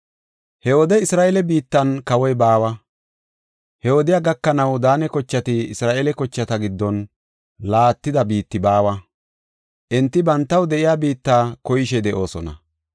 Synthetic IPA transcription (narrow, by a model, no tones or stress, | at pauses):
hɛwɔd̪ɛɪsɾaːʔɛlɛbiːt̪ːɐnkɐwɔjbaːwɐ | hɛwɔd̪ɪjaːɡɐkːɐnɐwd̪aːnɛkɔt͡ʃːɐt̪ɪɪsɾaːʔɛlɛkɔt͡ʃːɐt̪ɐɡɪd̪ːɔn | laːt̪ːɪd̪ɐbiːt̪ːɪbaːwɐ | ʔɛnt̪ːɪbɐnt̪ːɐwd̪ɛʔɪjaːbiːt̪ːaːkɔjɪʃɛd̪ɛʔo̞ːsɔnɐ̰